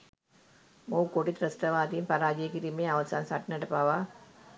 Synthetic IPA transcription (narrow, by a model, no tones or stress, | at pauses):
moːkːoːʈːit̪ɾɐsʈɐʋaːt̪ijimpɐɾaːd͡ʒijekiɾimeɐʋɐsaːnsaʈːnɐʈɐpaːʋaː